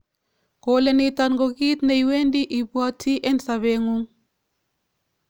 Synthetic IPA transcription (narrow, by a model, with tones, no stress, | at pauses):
ko˨˦le˦ni˨ta˨nɡo˨ki˦t̪ne˨jwe˦ndi˦ʔi˨bu˦a˦tʰi˦ʔe˦nsa˨βe˦ŋu˦ŋ